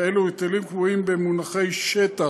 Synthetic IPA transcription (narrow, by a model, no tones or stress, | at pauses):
eluit̪alimkvuimbemunaχe̞jʃet̪a